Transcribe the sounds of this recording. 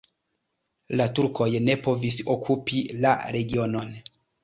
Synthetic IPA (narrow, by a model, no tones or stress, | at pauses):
latuɾko̞jne̞po̞viso̞kʰupila̰ɾe̞ɡio̞no̞n